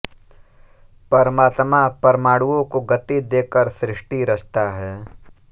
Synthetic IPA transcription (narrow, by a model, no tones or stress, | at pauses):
pɐɾəmaːt̪mapɐɾəmaːɽuõkoɡɐt̪id̪eːkəɾsɾɪʃʈiɾɐst̪aɦɛː